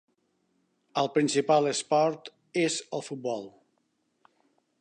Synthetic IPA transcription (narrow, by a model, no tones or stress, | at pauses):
əlˠpɾinsipalˠəspɔɾt̪ | ezəlˠfut̪̚bɔlˠ